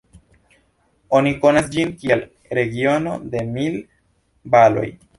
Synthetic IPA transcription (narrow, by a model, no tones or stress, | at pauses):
oniko̞nasd͡ʒinkiel | ɾe̞ɡio̞no̞d̪e̞mil | balo̞̰j